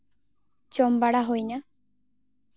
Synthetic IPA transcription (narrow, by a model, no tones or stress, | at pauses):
t͡ʃombaɽaɦojɲa